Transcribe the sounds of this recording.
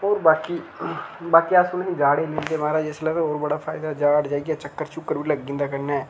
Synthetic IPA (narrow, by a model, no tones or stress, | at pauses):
oːɾbaːkiːbaːkiːasʊnĩːd͡ʒaːɽeiːmɪld̪eːmaːɾaːeslɛːt̪ːɦoːɾbəɽaːpʰaːɪd̪aːd͡ʒaːɽd͡ʒaːiːɡaːt͡ʃəkːəɾt͡ʃʊkːəɾbiːləɡɪ̃ːnd̪aːkəɾnaːɛː